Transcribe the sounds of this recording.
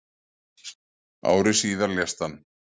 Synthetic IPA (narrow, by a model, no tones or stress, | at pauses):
a̰ːwɾɪsiːðaljast̪an